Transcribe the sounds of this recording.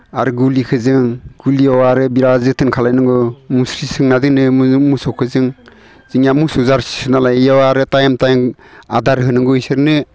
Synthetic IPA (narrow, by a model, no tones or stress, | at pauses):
aɾɯɡulikʰɯzɯŋɡ̥uliɔwaɾɯbiɾazɯtʰɯnkʰalajnɯŋɡɯmusɾisɯŋnadɯŋnɯmmusɔkʰɯzɯŋ | z̥iŋjamusuzaɾssɯnalajjɔwaɾɯtajmtajŋadaɾɦɯnɯŋɡɔisɯɾnɯ